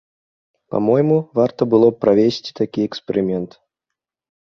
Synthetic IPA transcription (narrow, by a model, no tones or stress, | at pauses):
pa̰mɔjɛmuvart̪ɐbɨlˠɔpːɾavʲesʲt͡sʲi̥t̪akʲiɛkspʲɛɾɨmʲɛnt̪